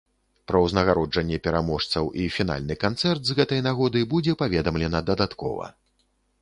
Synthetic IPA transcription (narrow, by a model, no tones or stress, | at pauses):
pɾɐwznɐɣaɾɔd͡ʐɐnʲːɛpʲɛɾamɔʂt̪sɐwʔifʲin̪a̰lʲnɨkant̪sɛrt̪zɣɛt̪ɐjnaɣɔd̪ɨjbud͡zʲɛpavʲɛd̪ɐmlʲɛnɐd̪ɐd̪at̪kɔ̰vɐ̰